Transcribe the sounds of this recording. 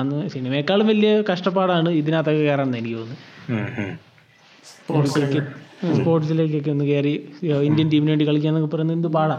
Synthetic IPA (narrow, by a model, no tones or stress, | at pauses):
ɐnːɨsiɳɐmekːaːɭumʋɐlːijɐkɐʂʈɐpːaːɽaːɳɨiðinat̪ːɐkːɨkeːɾaːɳɐnɐjnikʲːiʋonːɨ | pokkːespo̞ːrʈsilek̬ːeok̬ːeonːɨkeːriindijɐndimineʈɖikɐɭik̬ʲːaːnːokːɨpːɐrɐjnɐend̪ɨpaːɽa